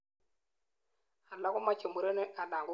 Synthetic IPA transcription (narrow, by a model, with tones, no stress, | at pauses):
a˨la˦kʊ˦ma˦t͡ʃe˨mbu˨ɾe˦ne˦ʔa˨la˨ŋɡʊ˦